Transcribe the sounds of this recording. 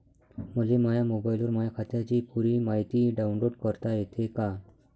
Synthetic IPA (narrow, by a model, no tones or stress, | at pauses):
məlemajamobajiluɾmajakʰat̪jat͡ɕiːpuɾiːmaɦit̪iːɖaũnloɽkəɾt̪ajet̪ʰeka